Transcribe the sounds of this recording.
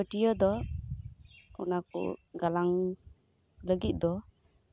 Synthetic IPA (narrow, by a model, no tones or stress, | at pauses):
əʈijəd̪ɔ | ɔ̰nakṵɡalaŋ | ləɡit̪̚ˀd̪ɔ